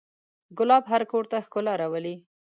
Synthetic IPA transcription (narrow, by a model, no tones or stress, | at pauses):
ɡʊlɑbɦaɾkoɽt̪axkʊlaɾawəli